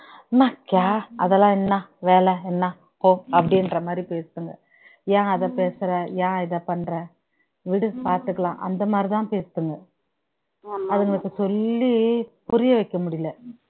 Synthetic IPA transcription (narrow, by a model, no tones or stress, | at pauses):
nakːjaːʔɐðɛlãːɛnːaʋeːlɛɛnːa | poːɐpːɐɽɪɛnɾɐmaːd̪ɾipeːst̪ɯŋɡɐ̰ | jãːɐðɐpeːsɾɐjãːɪðɐpɐɳɾɐ | ʋɪɽɯpaːɾt̪ɯkːɐlãːʔɐ̰nd̪ɐmaːd̪ɾit̪ãːpeːst̪ːɯŋɡɐ | ɐðɯŋɡɐɭɯkːɯsɔlːipʊɾɪjɐʋɐɪkːɐmʊɽɪjɪlɐ